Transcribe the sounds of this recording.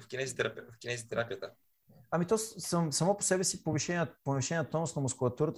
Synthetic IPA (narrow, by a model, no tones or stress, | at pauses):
fkʲinɛzit̪ɛɾfkʲinɛzit̪ɛɾakət̪a | ɐmit̪ɔssəmsɐmɔpo̥sɛbɛsipoviʃɛnʲponɐviʃɛnʲɛnɐt̪ɔnʊsnɐmʊskʊlˠɐt̪uɾət̪